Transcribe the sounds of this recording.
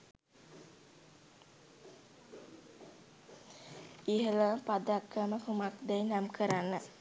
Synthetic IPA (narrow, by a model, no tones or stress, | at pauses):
iɦələpad̪akːəməkumakd̪ɛjnamkʰəɾanːə